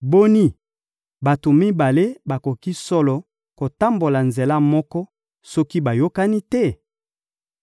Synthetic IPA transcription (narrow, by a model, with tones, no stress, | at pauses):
bo˦ni˦ | ba˨to˨mi˦ba˨le˦ba˨ko˨ki˦sɔ˦lɔ˨ | ko˨ta˦mbo˨la˨nze˨la˦mɔ˦kɔ˦ | sɔ˦ki˦ba˨jo˦ka˦ni˦tɛ˦˨